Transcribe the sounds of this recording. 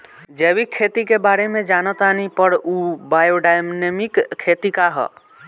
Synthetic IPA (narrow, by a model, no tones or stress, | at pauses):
d͡ʒebikʰːet̪ikebaɾemẽd͡ʒanət̪anipəɾubajoɖajmnemikʰːet̪ikaɦɔ̰